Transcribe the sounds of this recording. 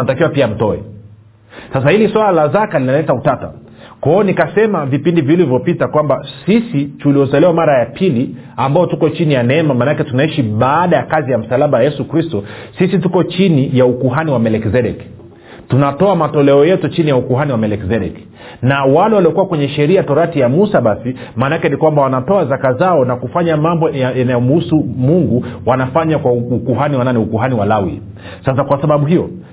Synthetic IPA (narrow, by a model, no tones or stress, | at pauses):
atakiwapiam̩tɔɛ̰ | sas̬ahiliswalalazakalinalɛtautata̰ | kwaɔnikasɛmavipindivilivjɔpitakwambasisituliɔsalɛwamaɾajapʰili | ambaɔtukɔt͡ʃinijanɛɛmamanakɛtunaiʃiɓaːɗajakazijam̩salaɓawajɛsukɾistɔsisitukɔt͡ʃinijaukuɦaniwamɛlɛkzɛɗɛk | tunatɔamatɔlɛɔjɛtut͡ʃinijaukuɦaniwamɛlɛkzɛɗɛ̰k | nawalɛwaliɔkuwakwɛɲɛʃɛɾiatɔɾatijamusaɓasi | maːnaakɛnikwambawanatɔazakazaɔnakufaɲamambɔjjanajɔm̩husumuŋɡuwanafaɲakwaukuɦaniwananɛukuɦaniwalawḭ | sasakwasaɓaɓuɦijɔ